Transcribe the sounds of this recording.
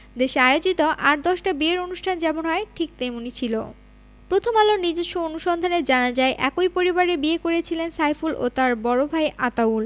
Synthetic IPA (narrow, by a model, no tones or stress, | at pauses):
d̪eʃeaeod͡ʑit̪oʔaɾd̪ɔʃʈabieɾonuʃʈʰand͡ʑɛmonɦɔeʈʰik̚t̪emunit͡ɕʰilo̰ | pɾot̪ʰomalonid͡ʑeʃoonuʃɔnd̪ʱaneɾd͡ʑanad͡ʑaeʔɛkojpoɾibaɾebiekoɾet͡ɕʰilensajfulʔo̰t̪aɾbɔɾobʱaeʔat̪aul